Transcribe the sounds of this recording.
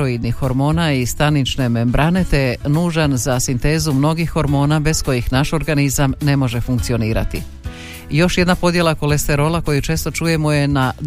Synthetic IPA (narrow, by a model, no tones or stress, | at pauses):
oid̪nixːo̞ɾmo̞ːnaist̪anit͡ʃne̞me̞mbɾane̞t̪enuːʒanzasint̪e̞ːzumno̞ɡixːo̞ɾmo̞ːnabe̞sko̞jixnaʃo̞ɾɡanizamne̞mo̞ʒe̞fuŋk̚t̪sio̞niːɾa̰t̪i | jo̞ʃje̞d̪napo̞d̪je̞lˠako̞le̞st̪e̞ɾo̞lako̞jut͡ʃe̞ːst̪o̞t͡ʃuːje̞moje̞na